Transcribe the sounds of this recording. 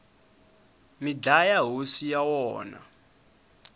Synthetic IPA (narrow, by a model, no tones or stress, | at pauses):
mid͡ɮajaɦusijawɔːna̰